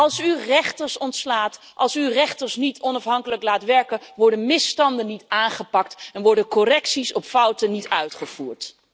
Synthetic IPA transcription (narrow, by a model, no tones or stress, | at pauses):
ɑlˠsyrɛχtəɹsɔntslaːt | ʔɑlˠsyrɛχtəɹsnitʰɔnɑfɦɑŋkələklaːtʋɛɹkəʋɔɹdənmɪstɑndənitaːnχəpɑktɛnʋɔɹdənkɔrɛksisɔpfʌwtənitœɥtχəv̥uːɹt